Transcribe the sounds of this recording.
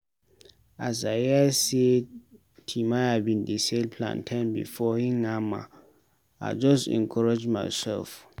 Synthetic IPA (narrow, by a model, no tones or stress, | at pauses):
azajase | tʰimahadbĩndiselpʰlã̰ntʰãnbḭfɔhĩŋãmã̰ | a̰d͡ʒɔstɛ̰̃ŋkʰɔɹad͡ʒma̰ɪsɛ̰lf